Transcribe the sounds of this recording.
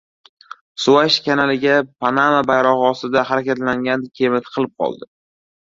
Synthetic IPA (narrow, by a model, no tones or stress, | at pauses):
sʊaʃkʲʰanalɪɡʲapʰanamabajɾɒʁɨɒst̪ɪd̪ahaɾakʲat̪laŋɡʲankʲʰe̞mɪt̪ʰqʰɨlˠɪp̚qʰɒ̰lˠd̪ɪ